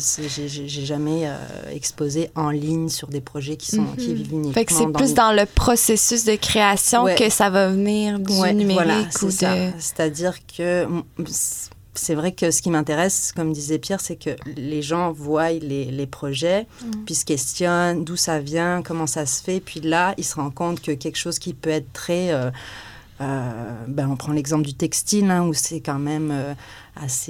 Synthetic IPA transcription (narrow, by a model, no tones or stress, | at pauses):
sɛʒeʒeʒeʒamɛø̰ɛ̰kspozeʔɑ̃liɲsyʁd̪epχɔʒɛkʲi̥sɔ̃kʲivivynifɛkmɑsɛ̃d̪̃lysd̪ɑ̃ləpχɔsesys̬d̪əkχeasjɔ̃wɛkəsavavniːʁd̪wɛnymevwalʁaisɛsase̥t̪ad̪iʁkʰəs | sɛvʁɛkəsə̥kʲimɛ̃t̪eʁɛskɔmd̪izɛpjɛʁsɛkʰəleʒɑ̃vwajlelepχɔʒɛpɥisə̥kʲɛst̪jɔnd̪usavjɛ̃kɔmɑ̃sasə̥fɛpɥilailsəʁɑ̃kɔ̃t̪kəkʲɛlkə̥ʃoz̥kʲipøɛt̪χət̪χɛø | øbaɔ̃pχɑ̃lɛɡzɑ̃pləd̪yt̪ɛkst̪ilɛ̃usɛkɑ̃mɛmø | ase